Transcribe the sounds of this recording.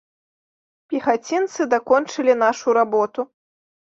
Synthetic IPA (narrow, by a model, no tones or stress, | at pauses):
pʲixat͡sʲint̪sɨd̪akɔnt͡ʂɨlʲinaʂuɾabɔt̪u